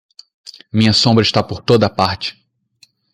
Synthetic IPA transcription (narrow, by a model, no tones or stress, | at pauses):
mĩɲɐsõmbɾɐɪʃt̪apoɾt̪od̪ɐːpaɾt͡ʃɪ̥